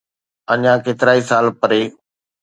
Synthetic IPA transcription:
əɲãːkeːt̪ɪɾaːiːsaːlpəɾeː

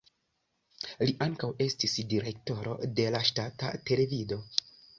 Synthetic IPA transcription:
liʔaŋkawe̞stisdiɾe̞k̚to̞ɾo̞̰de̞laʃtata̰te̞le̞vido̞

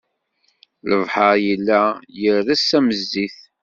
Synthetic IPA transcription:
ləvħəɾjəlːæjəɾðæsæməzːiθ

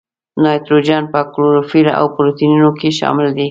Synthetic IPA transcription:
nɑjt̪ɾod͡ʒɑnpəkloɾofiɾaʔa̰wpɾot̪inunokeʃɑ̰mɪld̪i

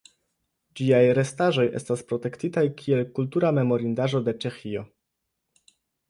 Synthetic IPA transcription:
d͡ʒijajɾe̞staʒo̞jʔe̞̰staspɾo̞t̪e̞ktitajkʰielkultuɾame̞mo̞ɾind̪aʒo̞d̪e̞t͡ʃe̞xio

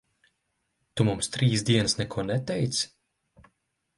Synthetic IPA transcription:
t̪umumst̪ɾiːsd̪iɛnɨsnɛkuɔnɛt̪ɛjt̪s

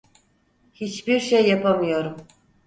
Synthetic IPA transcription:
hit͡ʃbiɾʃejːapamɯjo̞ɾum

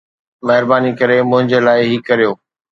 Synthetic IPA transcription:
mɐɦɪɾbaːnikɐɾemʊ̃ɦɪ̃ɲd͡ʑeːlaːɪɦikɐɾijoː

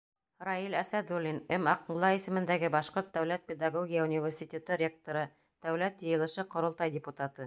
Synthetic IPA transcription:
rɑilæsæd̪ulʲːinɘmɑqɴlˠɑisɘ̆mɘ̆nd̪æɡɘbɑʃqoɾt̪̚d̪æwlæt̪̚pʲed̪ɑɡoɡʲijaunʲivʲersʲit̪ʲet̪ɤɾʲek̚t̪oɾɤ | d̪̥æwlæt̪jɤ̆jɤ̆lˠɤ̆ʃɤqŏɾŏlˠt̪ɑjdʲɪput̪at̪ɤ

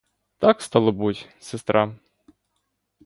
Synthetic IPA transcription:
t̪ɑkst̪ɑlˠɔbutʲsest̪ɾɑ

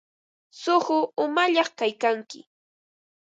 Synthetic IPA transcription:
sʊχʊʊmaʎɑχkajkaŋkɪ

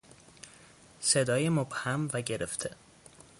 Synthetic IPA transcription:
se̞d̪ɒːjemob̥hæmvæɟeɾeft̪ʰe

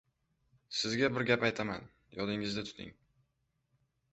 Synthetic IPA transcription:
sɪzɡʲabɪɾɡʲapajt̪ʰama̰n | jɒlɪŋɪzd̪at̪ʰʊ̥t̪ʰɪ̰ŋ

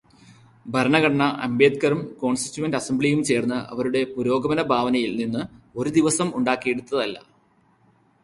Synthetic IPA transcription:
bʱɐɾɐɳɐɡɐɳɐɳɐʔɐ̰mbeːd̪̚kɐɾumko̞ːɳsti̥tːuwɐndɐsemblijumt͡ɕe̞ːrnːɨʔɐ̰ʋɐɾuɽe̞puɾo̞ːɡɐʋɐnɐbʱaːʋɐnɐjilninːɨo̞ɾud̪iʋɐsɐmuɳɖaːkːijeɽut̪ːɐðɐlːɐ̰

